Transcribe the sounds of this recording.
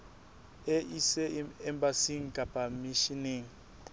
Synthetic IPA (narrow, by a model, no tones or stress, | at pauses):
eisɛɛmbasiŋ̩kʼapamiʃiniŋ̩